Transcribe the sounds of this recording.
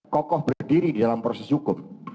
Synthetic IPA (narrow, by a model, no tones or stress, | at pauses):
kɔkɔhbərdiɾididalampɾosɛshukʊm